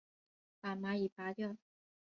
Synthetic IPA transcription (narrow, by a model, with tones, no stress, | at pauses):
pa˨˩ma˧˥i˨˩pa˧˥t̪jɔ˥˩